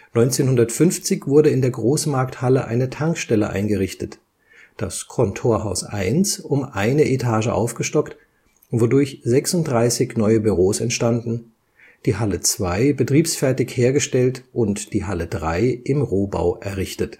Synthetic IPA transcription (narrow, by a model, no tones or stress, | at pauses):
nɔʏnt͡seːnɦʊndɐtfʏnft͡sɪçv̥ʊɐɾəɪndeːɐɡʁoːsmaɐkthaləʔa̰ɪnətʰaŋkʃtɛlə̰ʔa̰ɪnɡəʁɪçtət | d̥askʰɔntʰoːɐɦaʊsʔa̰ɪnsʊmʔaɪnəʔetʰaːʒə̰ʔa̰ʊfɡ̥əʃtɔkt | vodʊɐçz̥ɛksʊnt̚dʁaɪsɪçnɔʏəbyʁoːsɛntʃtandn̩ | d̥iːɦalət͡sv̥aɪbətʁ̥iːpsfɛɐtɪçheːɐɡəʃtɛltʔʊntd̥iːɦalədʁaɪʔɪmʁoːba̰ʊʔɛɐʁɪçtət